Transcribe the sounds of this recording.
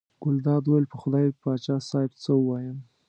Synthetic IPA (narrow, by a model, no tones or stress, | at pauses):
ɡ̥ʊld̪ɑd̪wowelpəxʊd̪ɑjpɑt͡ʃɑsɑjbt͡səuwɑjəm